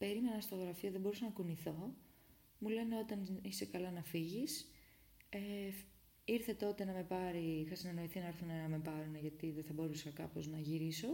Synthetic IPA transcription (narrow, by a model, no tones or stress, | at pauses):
pe̞ɾime̞nɐst̪oɣɾɐfioðebo̞ɾusɐnɐkuniθo̞ | mule̞ne̞o̞t̪ɐnisekɐlɐnɐfiʝis | e | iɾθe̞t̪o̞t̪e̞nɐme̞pɐɾixɐsine̞no̞iθinɐeɾθunɐnɐme̞pɐɾunɐʝɐt̪iðeθɐbo̞ɾusɐkɐpo̞znɐʝiɾiso̞